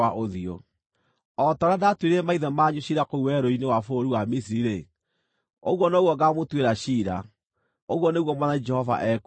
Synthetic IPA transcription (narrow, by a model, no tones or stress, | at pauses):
aʔoðio̰ | ɔtɔɾadatweɾɛmaiðɛmaːɲuɕiɾakouwɛɾoinewafoɾiwamis̬iiɾe | o̰ɣwɔnaoɣwɔɡamotweɾaɕiɾa̰ | oɣwɔneɣwɔmwanad͡ʒɛhɔva̰ʔɛk